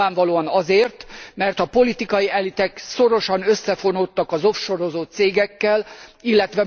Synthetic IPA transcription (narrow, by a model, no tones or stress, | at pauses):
aːɱvɒloːɒnɒzeːrt̪mɛrt̪ɒpo̞lit̪ikɒjiɛlit̪ɛkso̞ɾo̞ʃɒnø̞sːɛfo̞not̪ːɒkɒzo̞fʃo̞ɾo̞zot̪seːɡɛkːɛlilːɛt̪ʋɛ